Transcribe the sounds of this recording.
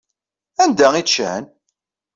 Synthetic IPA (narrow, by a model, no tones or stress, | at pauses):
ænd̪æiʃə̰n